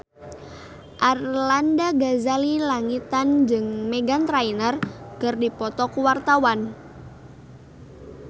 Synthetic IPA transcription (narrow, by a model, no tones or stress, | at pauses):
ʔarlandaɡazalilaŋit̪and͡ʒɨŋmeɡant̪ɾainərkɨrdipɔt̪ɔkuwart̪awan